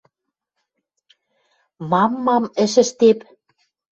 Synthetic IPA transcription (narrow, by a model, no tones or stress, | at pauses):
mɑmːɑmɘ̆ʃɘ̆ʃt̪ep